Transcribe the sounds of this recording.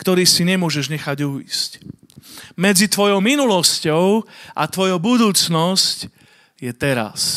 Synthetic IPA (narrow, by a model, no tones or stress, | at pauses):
kt̪ɔɾiːsiɲɛmʊɔʒɛʒɲɛxaɟuḭsc | mɛd͡zit̪ʋɔjɔʊminulɔscɔʊʔa̰t̪ʋɔjɔʊbud̪uːt͡snɔsc | jɛt̪ɛɾa̰s